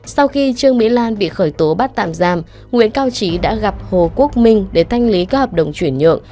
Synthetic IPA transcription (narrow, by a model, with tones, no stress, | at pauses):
sa˧wxi˧t͡ɕɨ˧əŋmḭ˧˥laː˧nɓḭ˧˨xəː˧˩jt̪o˨˦ɓaː˦˥t̚t̪a̰ː˧˨mzaː˨˩m | ŋwḭ˧˥ənkaː˧wt͡ɕi˨˦ɗa̰ː˧˥ɣa˨˩p̚ho˨˩ku˦˥ək̚mï˧ŋ̟ɗe˧˩t̪ʰa˧jŋ̟li˨˦kɔ˨˦həː˨˩p̚ɗə̰˧˨wŋ͡mt͡ɕwi˧˩ənɲɨ̰˧˨əŋ